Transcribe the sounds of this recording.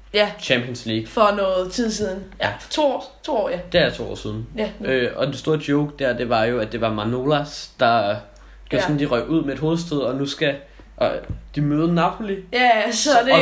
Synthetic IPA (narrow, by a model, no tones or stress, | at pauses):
jæt͡ɕʰæmpʰiənsliːɡ̥fɒ̽nɔ̽ːð̩ˠt͡sʰið̞̰ˠsið̞ˠn̩jæt͡sʰo̝t͡sʰo̝ɒ̰ːjd̥e̝æɐt͡sʰo̝̰ːɒ̰ːsiðˠn̩øɒ̽d̥e̝sd̥o̝ːɐd̥ɔʊɡ̥̚d̥æɐd̥e̝ʋɑ̈jo̝æd̥e̝ʋɑ̈mɑ̈no̝læsd̥ɑ̈ | ɡ̥osɔ̽n̩d̥iʁœɡ̥uð̰ˠmee̝d̥ho̝ːð̩ˠsd̥eðˠɒ̽nusɡ̥æ | d̥imøːð̞̩ˠənɑ̈pʰolijæsɒd̥e